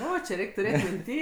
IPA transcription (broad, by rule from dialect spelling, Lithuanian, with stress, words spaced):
ˈoː t͡ʃʲɪ ˈrʲɛɪkʲ tʊˈrʲeːtʲ mʲɪnʲˈtʲiː